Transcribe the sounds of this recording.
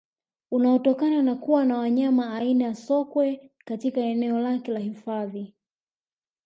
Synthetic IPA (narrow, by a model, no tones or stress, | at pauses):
unaɔtɔkananakuwanawaɲamaːinajasɔkwɛkatikaɛnɛɔlakɛlahifaði